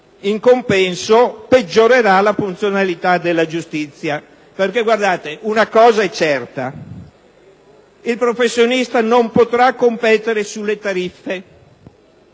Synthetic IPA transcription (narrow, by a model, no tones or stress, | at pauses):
iŋkompɛnsoped͡ʒːoɾeɾalafunt̪sjonalit̪ad̪elːad͡ʒust̪it̪sːja | perkeɡward̪aːt̪eʔunakɔːzaɛt͡ʃːɛrt̪a | ilpɾofesːjonist̪anompot̪ɾakːompɛt̪eɾesulːet̪aɾifːe